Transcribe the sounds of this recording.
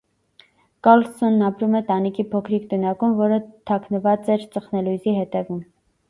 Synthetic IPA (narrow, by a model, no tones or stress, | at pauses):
kɑlsɔnːɑpɾumɛt̪ɑnikʰipʰɔkʰɾikt̪ənɑkumvɔɾət̪ʰɑkʰnəvɑt͡sɛɾt͡səχnɛlujziɦɛt̪ɛvum